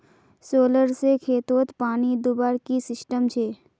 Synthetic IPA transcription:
soːləɾsekʰeːt̪oːt̪paːnid̪ʊbaːɾkisɪsʈəmt͡ʃʰeː

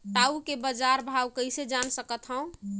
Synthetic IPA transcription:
ʈaukebəd͡ʒaɾbʱawkəjsed͡ʒansəkət̪ɦə̃ʊ̃

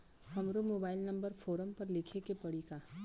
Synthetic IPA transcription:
hɐmɾomoːbaːɪlnɐ̃mbəɾfʰoːɾəmpɐɾlɪkʰekepɐɽika

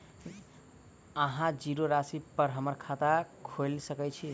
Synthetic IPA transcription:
əɦãd͡ʒiɾoɾasipəɾɦəməɾkʰat̪akʰolsəkɛt͡ʃʰi

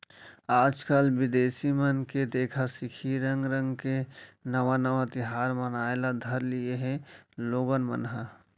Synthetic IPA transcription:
aːd͡ʒkəlʋɪd̪eːsimənked̪eːkʰasɪkʰiɾə̃ŋɡɾə̃ŋɡkenəʋanəʋat̪ɪɦaːɾmənaːelad̪ʱəɾlieɦɛ̃loːɡənmə̰nɦa

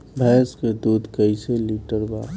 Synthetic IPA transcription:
bʱɛːsked̪uːd̪ʱkəɪseliːʈəɾbaː

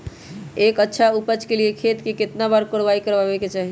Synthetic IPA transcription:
ekətːʃʰaupət͡ʃkeliekʰet̪keket̪nabaɾkoɽbaikəɾbabeket͡ʃaɦi

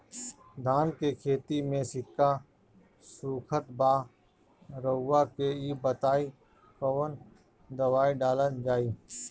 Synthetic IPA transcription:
d̪ʱaːnkekʰeːt̪imẽsɪkːa | suːkʰət̪baː | ɾəːakeibət̪aːi | kəʋən | d̪əwaːiɖaːlənd͡ʒaːiː

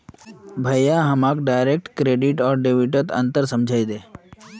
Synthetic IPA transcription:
bʱəjaɦəmakɖajɾek̚ʈkɾeːɖiʈɔːɾɖeʋiʈət̪ə̰̃nt̪əɾsəmd͡ʒʱajd̪eː

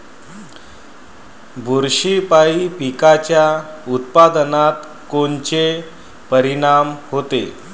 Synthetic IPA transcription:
bʱuɾɕipaipikat͡ɕjaut̪̚pad̪nat̪ | kont͡ɕe | pəɾiɽamhot̪ḛ

